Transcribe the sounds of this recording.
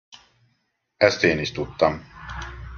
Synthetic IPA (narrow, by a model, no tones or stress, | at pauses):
ɛst̪eːniʃt̪ut̪ːɒm